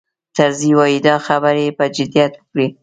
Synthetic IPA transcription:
t̪aɾziwɑjid̪ɑxabaɾepəd͡ʒɪd̪ijat̪wəkɽi

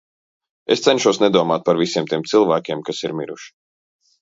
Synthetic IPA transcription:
est̪sɛnʃuɔsnɛd̪uɔmaːt̪̚paɾvisiɛmt̪iɛmt̪silˠvæːkʲɛmkasiɾmiɾṵʃi̥

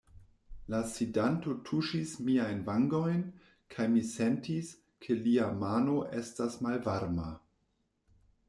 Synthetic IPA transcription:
lasidanto̞tʰuʃismiajnvaŋɡo̞jn | kʰajmise̞ntis | kʰe̞liamano̞ʔestasmalvaɾma̰

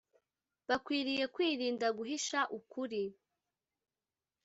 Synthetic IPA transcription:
βakwiːɾije̞kwiːɾiːndaɡuɦiʃaʔukuɾi

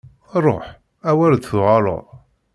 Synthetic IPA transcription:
ɾˤo̰ħ | æwæld̪θʁɑlˤo̰ʁ

